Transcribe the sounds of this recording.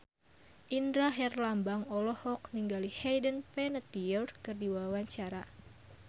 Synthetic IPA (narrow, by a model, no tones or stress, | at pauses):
ʔindɾaɦɛrlambaŋɔlɔhɔk̚niŋɡalihɛjdənpɛnət̪iɔrkɨrdiwawaɲt͡ʃaɾa